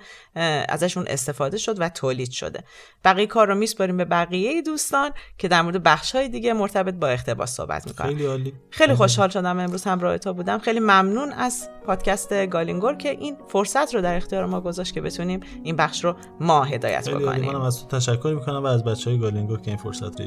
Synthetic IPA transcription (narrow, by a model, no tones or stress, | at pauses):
æ̰zæʃuːnʔḛst̪e̞fɒːd̪e̞ʃo̞d̪væt̪ʰoːliːd̪ʃo̰d̪e̞ | b̥æɣijekʰɒːɾːomispɒɾiːmbe̞bæɣijejed̪uːst̪ɒːncʰe̞d̪æɾmoɾed̪ebæχʃhɒːjed̪iːɟemoɾt̪ʰæbe̞t̪̚bɒːe̞xt̪ʰe̞bɒ̰ːsːo̰hbæ̰t̪ʰmiːko̰ejliɒːli | xe̞jlixo̞ʃhɒːlʃo̞d̪æme̞mɾuːz̥hæmɾɒːhet̪ʰobuːd̪æmxejlimæmnuːnæzpʰɒːd̪̥cʲʰæst̪e̞ɡɒːliŋɡoɾcʰe̞ʔinfoɾsæt̪ʰrod̪æɾext̪ijɒːɾemɒːɡo̞zɒːʃt̪kʰʲe̞be̞t̪ʰuniːminbæxʃɾo | mɒːɦe̞d̪ɒ̰ːjæ̰t̪ʰboliko̰nḭmænæmæzt̪ʰo̥t̪ʰæʃækʰːoɾmiːkʰonæmvæːzbæt͡ʃʰːeːjeɡɒːliŋɡoɾcʰeinfo̰ɾsæ̰t̪ɾo̰